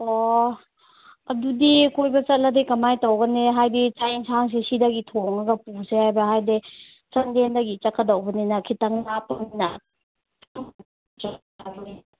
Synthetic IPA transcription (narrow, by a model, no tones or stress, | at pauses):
o | ɐdudikojbɐt͡ʃɐt̚lɐdikɐmajtɐwɡɐneɦajdit͡ʃajŋsʰaŋs̬esidɐɡitʰoŋɐɡɐpusehajbɐɦajde | t͡ʃɐndendɐɡit͡ʃɐkʰɐdɐwbɐninɐkʰitɐŋnapːɐminɐ | t͡ʃatʰabni